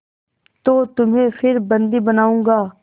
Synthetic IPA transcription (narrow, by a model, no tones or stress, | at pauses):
t̪oːt̪ʊmɦẽfʰɪɾbə̃nd̪ibənaːũːɡaː